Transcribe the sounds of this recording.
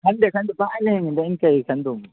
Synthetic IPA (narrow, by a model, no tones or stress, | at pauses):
handekɐndobaʔalɪhɪɪndaɪŋkajikɐndomu